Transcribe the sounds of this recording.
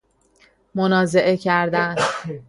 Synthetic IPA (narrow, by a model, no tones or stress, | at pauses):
monɒːze̞ʔe̞cʰæɾd̪æn